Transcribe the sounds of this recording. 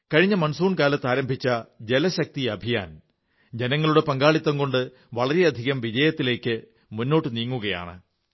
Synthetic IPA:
kɐɻiɲːɐmɐɳsuːɳkaːlɐt̪ːaːɾɐmbʱit͡ɕːɐd͡ʑe̞lɐɕɐk̚t̪iɐbʱija̰ːn | d͡ʑe̞nɐŋːɐɭuɽe̞pɐŋɡaːɭit̪ːɐŋko̞ɳɖɨ | ʋɐɭɐɾeɐd̪ʱiɣɐmʋid͡ʑɐjɐt̪ːile̞ːkːɨ | munːo̞ːʈːɨniːŋːuɣɐja̰ːɳɨ

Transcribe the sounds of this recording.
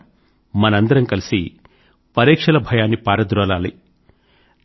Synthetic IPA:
mɐnɐɐnd̪ɐɾɐmkɐlisḭ | pɐɾɛːkʂɐlɐbʱɐjaːnːipaːɾɐd̪ɾɔːlaːli

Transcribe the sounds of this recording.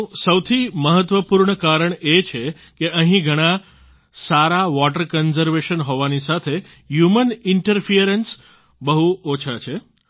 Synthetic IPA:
səwt̪ʰiməɦət̪ʋəpuɾɳəkaɾəɳet͡ʃʰe | keəɦĩɡʱəɽ̃ã | saɾaʋɔʈəɾkənzəɾʋeʃənɦoʋanisat̪ʰe | ɦjumənɪɳʈəɾfijəɾens | bəɦuot͡ʃʰat͡ʃʰe

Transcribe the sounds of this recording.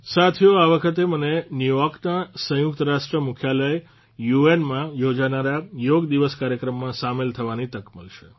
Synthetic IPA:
sat̪ʰijoaʋəkʰət̪̬emənenjujɔɾknasə̃jʊkt̪əɾaʃʈɾəmukʰjaləj | juenmãjod͡ʒanaɾajoɡd̪iʋəskaɾjəkɾəmːãsamelt̪ʰəʋanit̪əkməlʃʰe

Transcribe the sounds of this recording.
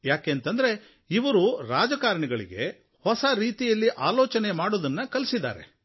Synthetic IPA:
jaːkeːnt̪ɐnd̪ɐɾe̞ | iʋɐɾuɾaːd͡ʒɐkaːɾɐɳɛɡɐɭḭɡe̞̰ | hɔsɐɾiːt̪ijɐlːiʔaːlɔːt͡ʃɐne̞maːɽod̪ɐnːɐkɐlisid̪ːa̰ːɾe

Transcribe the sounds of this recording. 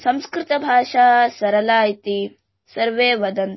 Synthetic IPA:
sɐmskɾɪt̪ɐbʱaːʃaːsɐɾɐlaːjit̪i | sɐɾʋeːʋɐd̪ɐn

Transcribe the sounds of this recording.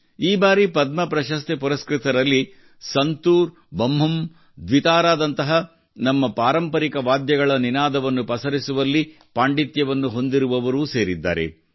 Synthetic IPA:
iːbaːɾipɐd̪mɐpɾɐʃɐst̪epuɾɐskɾit̪ɐɾɐlːi | sɐnt̪uːɾ | bɐmɦɐm | d̪ʋit̪aːɾaːd̪ɐnt̪ɐɦɐ | nɐmːɐpaːɾɐmpɐɾikɐʋaːd̪jɐɡɐɭɐninaːd̪ɐʋɐnːupɐsɐɾisuʋɐlːi | paːɳɖit̪jɐʋɐnːuɦo̞nd̪iɾuʋɐʋɐɾuːse̞ːɾid̪ːa̰ːɾe̞̰

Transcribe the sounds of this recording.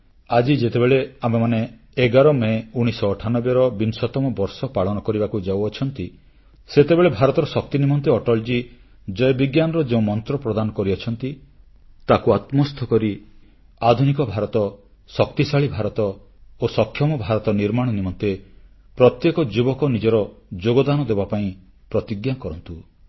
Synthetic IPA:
ad͡ʒid͡ʒet̪ebeɭeamemaneː | ɡaɾɔmeuɽ̃isɔːʈʰanɔbjɔɾɔbinsɔt̪ɔmɔbɔɾsɔpaɭɔnɔkɔɾibakud͡ʒawɔt͡ʃʰɔnt̪i | set̪ebeɭebʱaɾɔt̪ɔɾɔsɔk̚t̪inimɔnt̪eɔʈɔld͡ʒi | d͡ʒɔjɔbiɡjanɔɾɔd͡ʒeũmɔnt̪ɾɔpɾɔd̪anɔkɔɾiɔt͡ʃʰɔnt̪i | t̪akuat̪mɔst̪ʰɔkɔɾi | ad̪ʱunikɔbʱaɾɔt̪ɔ | sɔkt̪isaɭibʱaɾɔt̪ɔ | osɔkʰjɔmɔbʱaɾɔt̪ɔniɾmaɽ̃ɔnimɔnt̪e | pɾɔt̪jekɔd͡ʒibɔkɔnid͡ʒɔɾɔd͡ʒoɡɔd̪anɔd̪ebapaĩ | pɾɔt̪iɡjakɔɾɔnt̪u

